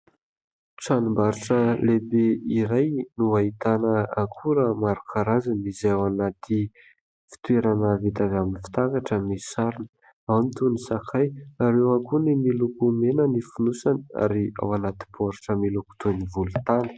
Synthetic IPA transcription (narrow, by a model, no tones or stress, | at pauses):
ʈ͡ʂanumbaɾuʈ͡ʂəlebeiɾajnuaɦit̪anəakʰuɾəmaɾukʰaɾazanizawanat̪i | fi̥t̪weɾanəvit̪avaminifi̥t̪akaʈ͡ʂəmisaɾinə | awnit̪unisakʰajaɾewakunimilukumenənifunusana̰ɾia̰wanat̪i̥pʰoɾiʈ͡ʂəmiluku̥t̪univulut̪anə̥